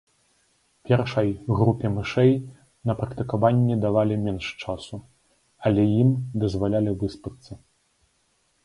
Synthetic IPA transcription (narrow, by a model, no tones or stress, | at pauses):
pʲɛrʂɐjɣɾupʲɛmɨʂɛj | nɐpɾɐkt̪ɨkavanʲːɛd̪avalʲimʲɛnʂt͡ʂasu | ɐlʲɛjimd̪ɐzvalʲalʲivɨspɨt̪sːɐ